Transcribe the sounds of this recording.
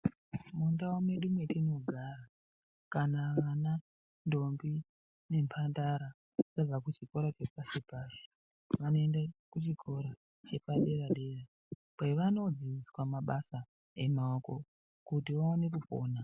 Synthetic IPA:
mundaome̞ɗumwe̞tino̞ɡʱara | kanaʋana | ndo̞mbi | ne̞mpʰandaɾa | sab͡vakut͡ʃiko̞ɾat͡ʃe̞pasipasi̥ | ʋanoendakut͡ʃikʰo̞ɾa | t͡ʃe̞paɗe̞ɾaɗe̞ːra | pweʋano̞d͡ziiswamaɓasa | e̞maoko̞ | kutiʋaone̞kupo̰ːna

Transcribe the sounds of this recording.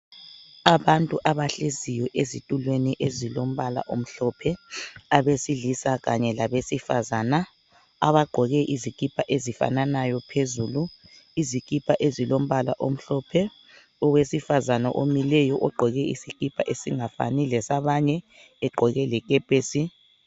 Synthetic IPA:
aβantʼuʔaβaɬezijɔʔezitʼulweniʔezilom̩βala̰ʔom̩ɬɔpʰɛaβesiɮisaɣaɲɛlaβesifazana | aβaɡ͡ǃʱɔɣɛʔizikʼipʰʼaʔezifa̰nanajɔpʰezulu | izikʼipʰʼaʔezilom̩βalaʔom̩ɬɔpʰɛ | ɔwesifazanaʔomilɛjɔʔɔɡ͡ǃʱɔɣɛḭsikʼipʰʼa̰ʔesiŋafa̰nilɛsaβaɲɛ | ɛɡ͡ǃʱɔɣɛlɛk̬ʼɛpʼeːsi

